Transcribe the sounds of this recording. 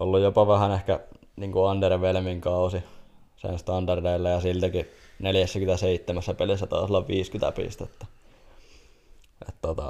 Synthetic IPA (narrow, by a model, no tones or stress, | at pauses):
olːujjopɑʋæhænehkæ | niːŋkuɑnt̪erʋelmiŋkɑusi | sḛnst̪ɑndɑrdeilːæjɑsilt̪ækineljæsːækyt̪æseit̪ːemæsːæpelisːæt̪ɑ̰isolːɑʋʋiːskyt̪æ̰pḭst̪et̪ːæ̥ | ʔḛt̪t̪ot̪ɑ̰